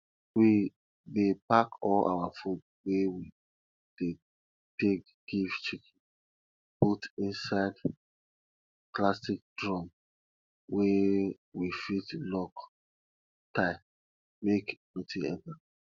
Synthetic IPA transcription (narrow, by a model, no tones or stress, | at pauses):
wi | depakɔla̰wafut | wewi | d̥e | tek̚ | ɡ̥ivt͡ʃikʰɛ̃ | butĩnsaɪd | klasik̚dɹɔ̃m | we | wifitlɔk | taɪ | mekmitĩɛ̰̃nta